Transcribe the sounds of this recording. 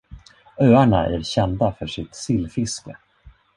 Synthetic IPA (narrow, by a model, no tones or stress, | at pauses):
øːaɳaʔæ̰ɾɕɛnd̪afœʂɪt̪sɪlːfɪskə